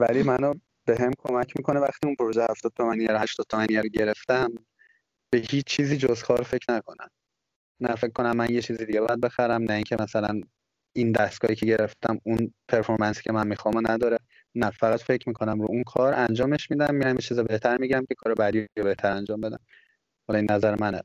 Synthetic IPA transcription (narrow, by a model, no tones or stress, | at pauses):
væliːmæno | b̥e̞ɦemkʰo̞mæcʰmiːkʰonevæxt̪iːunpʰoɾoʒehæft̪ɒːd̪̚t̪ʰomænijæɾhæʃt̪ɒd̥̪̚t̪ʰɒmænijæɾoɟe̞ɾe̞ft̪æm | b̥ehiːt͡ʃːt͡ʃʰiːziːd͡ʒozkʰɒːɾfe̞cʰnækʰonæ̰m | næfec̚kːo̞næmːænjet͡ʃʰiːzid̪iɟebɒjæd̪̚be̞xæɾæmnæiŋcʰe̞mæsælæn | ind̪æsɡ̥ɒːhiːcʰeɟe̞ɾeft̪æmunpʰeɾfo̞ɾmænsi̥ːcʰemænmixɒmonæd̪ɒːɾe | næfæɣæt̪fe̞cʰmiːkʰo̞næmɾṵunkʰɒːɾænd͡ʒɒːme̞ʃmiːd̪æmːiːɾæmjet͡ʃʰiːzɒbe̞ht̪ʰæɾmiɟiɾæmcʰʲe̞kʰɒːɾebæd̪iobe̞ht̪ʰæɾænd͡ʒɒːmbe̞d̪æ̰m | hɒlɒinːæzæɾemænæ